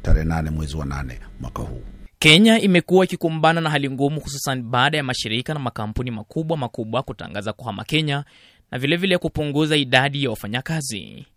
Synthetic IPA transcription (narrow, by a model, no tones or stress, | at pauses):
taɾɛhɛnanɛmwɛziwana̰nɛmwakahṵːkɛɲaimɛkuwaikikumbananahɦaliŋɡumuhus̬usaniɓaːɗajamaʃiɾikanamakampunimakuɓwamakuɓwakuta̰ŋɡazakuhama̰kɛɲa | navilɛvilɛkupuŋɡuzaiɗaɗijawafaɲakazḭ